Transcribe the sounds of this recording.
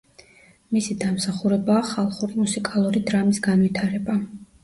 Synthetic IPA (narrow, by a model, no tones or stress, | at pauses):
misid̪amsaχuɾɛbaːχalˠχuɾimusikʼalˠuɾid̪ɾamisɡanvit̪ʰaɾɛba